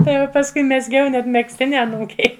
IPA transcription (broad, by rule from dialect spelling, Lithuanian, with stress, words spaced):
ˈtɐɪ jɛʊ pɐsˈkʊɪ mʲɛzʲˈɡʲɛʊ nʲɛt mʲɛksʲˈtʲɪnʲɪ ɐˈnuːkʲɛɪ